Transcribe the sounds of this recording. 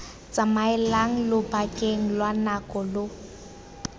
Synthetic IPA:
t͡sʼamaɛlaŋ̩lʊbakʼeŋ̩lwanakʼɔlʊ

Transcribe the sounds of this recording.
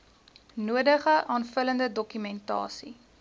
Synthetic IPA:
nuədəχəʔɑːnfələndədɔkymɛntɑ̰ːsḭ

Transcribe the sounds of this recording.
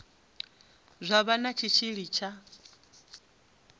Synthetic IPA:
zʷaβanat͡ʃʰit͡ʃʰiɺit͡ʃʰa

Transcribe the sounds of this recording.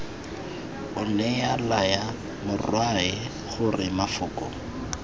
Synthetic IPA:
ʊnɛjalaja | mʊrwaɪ | χʊrɪmafʊːkʼɔ

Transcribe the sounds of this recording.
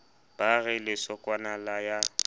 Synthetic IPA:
b̥aɣɪlɪsɔkʼwanalaja

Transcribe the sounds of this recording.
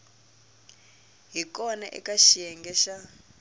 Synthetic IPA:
ɦikɔnɛ̰ʔɛ̰kaʃijɛŋɡɛʃa

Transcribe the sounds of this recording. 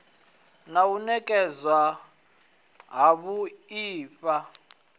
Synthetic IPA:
naunɛkʼɛzwa | ɦaβuiːfa

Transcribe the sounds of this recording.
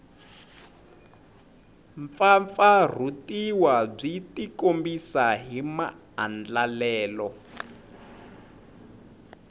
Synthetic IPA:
ɱfaɱfar̤utiwab͡ʐitikombisaɦima̰ | a̰nd͡ɮalɛːlɔ

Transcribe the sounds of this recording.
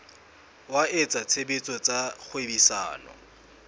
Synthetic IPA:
waʔet͡sʼat͡sʰebit͡sʼɔt͡sʼaχʊebisa̰ːnɔ̰

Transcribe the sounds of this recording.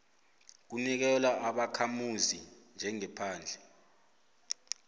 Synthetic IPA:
k̬unik̬ɛlwaʔaɓakʰamuzind͡ʒʱɛŋɛpʰaːnd͡ɮʱɛ

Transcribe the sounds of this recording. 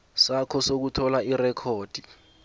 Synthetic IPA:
sakʰɔsok̬utʰɔlairɛkʰoːd̥ʱi

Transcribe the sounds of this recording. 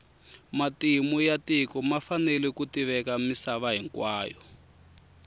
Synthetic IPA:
matimujatikɔmafanɛlɛkutiβɛkamisaβaɦiŋkwaːjɔ

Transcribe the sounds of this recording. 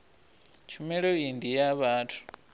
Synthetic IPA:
t͡ʃʰumɛɺɔindijaβaːtʰu̥

